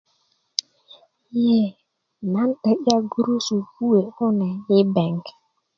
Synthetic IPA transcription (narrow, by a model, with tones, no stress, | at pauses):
je˦˨ | na˨n̩˦ɗə˦ʔa˦ɡu˦ɾu˦su˨ku˦e˨ʊ˦na˨jɪ˦bɛ˨ŋ˨k